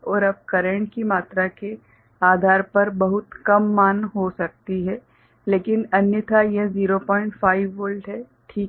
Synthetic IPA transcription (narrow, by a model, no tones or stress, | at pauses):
ɔːɾɐb̚kɐɾə̃ɳʈ̚kimaːt̪ɾake | aːd̪ʱaːɾpɐɾbɐɦʊt̪kɐmːaːnɦosɐk̚t̪iɦɛː | leːkɪnɐnjət̪ʰajeziːɾopɔːɪ̃ɳʈfaːɪʋːəːlɖɦɛ | ʈʰiːk